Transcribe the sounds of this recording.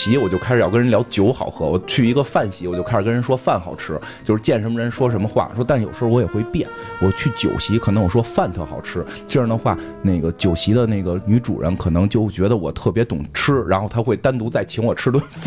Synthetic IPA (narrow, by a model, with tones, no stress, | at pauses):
ɕi˧˥wɔ˨˩t͡ɕjo˥˩ʊkʰa˥ɪʂ̩˩jɑ˥˩kə˥nɻə˧˥ljɑ˧˥ʊt͡ɕjo˧˥ʊxɑ˨˩ʊxɤ˧˥wɔ̰˨˩t͡ɕʰy˥˩i˧˥ɡə˧fa˥˩nɕi˧˥wɔ˨˩t͡ɕjo˥˧kʰa˥ɪʂɻkə˥ɻə˧˥n˥ʂwɔ˥fa˥˩nxɑ˨˩ʊʈ͡ʂʰɻ̩˥ | t͡ɕjo˥˧ʊʂɻ̩˧t͡ɕjɛ˥˩nʂə˧˥mə˧ɻə˧˥nʂwɔ˥ʂ̬ə˧˥nmə˧xwa̰˥˩ʂwɔ˥t̪a˥˩njʊʂɻ̩˧˥xwɔ˧˥jɛ˨˩xwe˥˧ɪpjɛ˥˩n | wɔ˨˩t͡ɕʰy˥˩t͡ɕjo̰˨˩ʊɕi˧˥kʰnɤ˧˥ŋwɔ˨˩ʂwɔ˥fa˥˧nt̪ʰɤ˥˩xɑ˨˩ʊʈ͡ʂʰɻ̩˥ | ʈ͡ʂi˥˧jd̪ə˩xwa˥˩ | ne˥˩ɪɡə˩t͡ɕjo˨˩ʊɕi˧˥d̪ə˧ne˥˩ɡə˩ny˧˥ʈ͡ʂṵ˨˩ɻə̰˧˥nkʰɤ˨˩nɤ˧˥ŋt͡ɕjo˥˩ʊt͡ɕɥɛ˧˥d̪ə˧wɔ̰˨˩t̪ʰɤ˥˩p̬jɛ˧˥t̪ʊ˨˩ŋʈ͡ʂʰɻ̩˥ɻa˧˥nxo˥˩ʊt̪ʰa˥xwe˥˩ɪt̪a˥nt̪u˧˥t͡sa˥˩ɪt͡ɕʰi˧˥ŋwɔ˨˩ʈ͡ʂʰɻ̩˥t̪wf